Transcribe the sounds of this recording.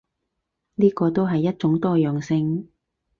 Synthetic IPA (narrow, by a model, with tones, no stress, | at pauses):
niː˥kɔː˧t̪o˥wɦɐ˨jːɐ˥t̚t͡ʃʊ˨˥ŋt̪ɔː˥jœː˨ŋsɪ˧ŋ